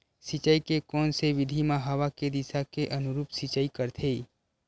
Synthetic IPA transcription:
sɪt͡ʃaikekɔːnseʋɪd̪ʱimãɦəʋaked̪ɪsakeʔənʊɾuːpsɪt͡ʃaːikəɾt̪ʰe

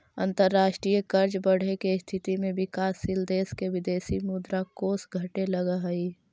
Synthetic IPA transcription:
ə̰̃nt̪əɾːaːʃʈɾiːjəkəɾd͡ʒbəɽ̤ekest̪ʰɪt̪imẽʋɪkaːsːɪld̪eːskeʋɪd̪eːsimuːd̪ɾakoːsɡʱɐʈelɐɡaɦɐi

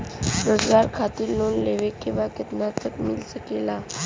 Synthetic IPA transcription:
ɾəd͡zɡaɾkʰat̪iːɾːonleʋekːĩʋakət̪nat̪əkmḭlsəkela

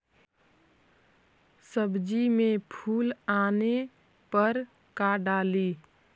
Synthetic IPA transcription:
səbd͡ʒimẽpʰuːlaːne | pəɾ | kaɖaːliː

